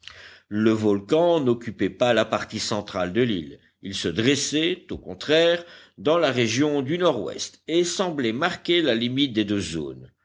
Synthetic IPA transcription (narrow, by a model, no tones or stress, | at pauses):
ləvɔlkɑ̃nɔkʲypɛpalapaʁt̪isɑ̃t̪χald̪əlḭl | ilsəd̪ʁesɛt̪okɔ̃t̪χɛʁ | d̪ɑ̃laʁeʒjɔ̃d̪ynɔʁwɛ̰st̪esɑ̃blɛmaʁkʲelalimit̪̚d̪ed̪øzo̰ːn